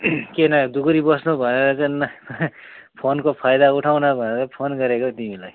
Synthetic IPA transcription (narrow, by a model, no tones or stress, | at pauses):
kenʌd̪ukɾibʌsnubʱʌneɾʌt͡san | pʰonkopʰajd̪auʈʰaw̃nabʱʌneɾʌpʰonɡʌɾekot̪imilaj